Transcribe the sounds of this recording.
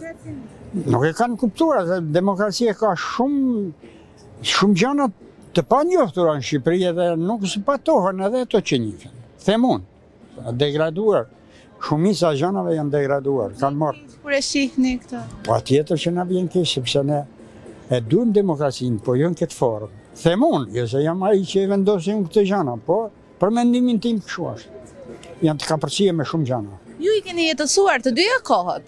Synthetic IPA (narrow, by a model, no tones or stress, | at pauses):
nṵkɛkankupt̪uaɾðɛd̪ɛmɔkɾat͡siakaʃum | ʃumd͡ʑana | t̪ːəpaɲɔht̪uɾanəʃipɾiɛðɛnuksəpat̪ɔhənɛðɛat̪ɔt͡ʃəɲikɛn | θɛmun | d̪ɛɡɾad̪uaɾ | ʃumit͡saʒanavɛjand̪ɛɡɾad̪ua̰ɾkanmɔɾɛsihnikt̪pɔa̰t̪jɛt̪əɾt͡ʃənavjɛnkisɛpsɛnɛ | ɛd̪und̪ɛmɔkɾat͡sinpɔjɔnkɛt̪fɔɾm | θɛmunjɔs̬ɛjamait͡ʃəɛvɛnd̪ɔs̬imkt̪əʒanapɔ | pəɾmɛnd̪imint̪impʃua̰ʃ | jant̪ə̥kapəɾsiɛmɛʃumd͡ʒanajuikɛnijɛt̪əsuaɾt̪əd̪yakɔhɛt̪